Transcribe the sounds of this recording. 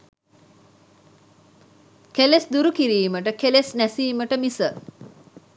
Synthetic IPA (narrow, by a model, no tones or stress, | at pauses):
kelesd̪uɾukiɾiːməʈəkelesnæsiːməʈəmisə